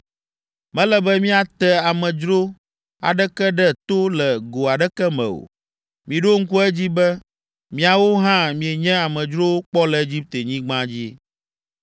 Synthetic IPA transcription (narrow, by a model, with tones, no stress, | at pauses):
mɛ̃˦lɛ˦bɛ˦mĩ˦a˨t̪ɛ˦a˨mɛ̃˨d͡ʒɾo˦ | a̰˨ɖɛ˦kɛ˦ɖɛ˦t̪o˦lɛ˨ɡo˨a˨ɖɛ˦kɛ˦mɛ̰̃˨o̰˨ | mĩ˨ɖo˦ŋ̩˦ku˦ɛ˦d͡ʑi˦bɛ˦ | mĩ˨a˨wo˦ɦã˦mĩ˨e˨ɲɛ̃˦a˨mɛ̃˨d͡ʒɾo˦wo˦k͡pɔ˦lɛ˨e˦d͡ʑi˦p̚t̪e˨ɲĩ˦ɡ͡bã˦d͡ʑi˦